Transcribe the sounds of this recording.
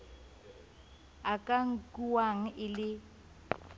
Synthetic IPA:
akʼaŋ̩kʼuwaŋ̩ɪlɪ

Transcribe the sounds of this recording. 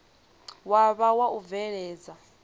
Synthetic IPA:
waβawaʔuvɛɺɛːd͡za

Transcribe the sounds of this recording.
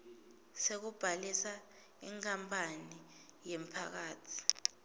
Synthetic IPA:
sek̬ub̥ʱalisa | iŋk̬ʰʼampʰani | jemipʰa̰k̬aːtʰi̥

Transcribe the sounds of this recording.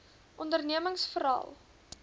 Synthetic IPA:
ʔɔndərniəməŋsfəɾɑ̰ːlˠ

